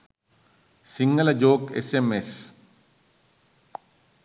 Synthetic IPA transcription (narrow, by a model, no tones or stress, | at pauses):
siŋɡɐlɐd͡ʒoːkḛsemes